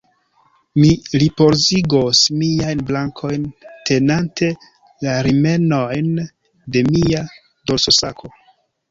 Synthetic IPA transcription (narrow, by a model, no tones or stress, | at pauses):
milipo̞ɾziɡosmiajnblaŋkʰo̞jnte̞nantʰe̞ | laɾime̞no̞jn | de̞mia | dolso̞sakʰo̞